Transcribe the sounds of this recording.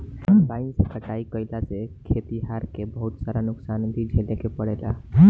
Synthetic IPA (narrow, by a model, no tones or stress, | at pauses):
bãɪnsəkəʈaikəjlasekʰet̪iɦaɾkebəɦut̪saɾanuksand̪id͡ʒʱelekepəɽela̰